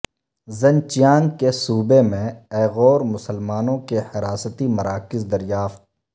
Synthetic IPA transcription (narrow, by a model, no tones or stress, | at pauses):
zɐ̃nt͡ʃijaːnkesuːbemẽɛːɣɔːɾmʊsəlmaːnõkehɪɾaːsət̪imɐɾaːkɪzd̪ɐɾɪjaːft̪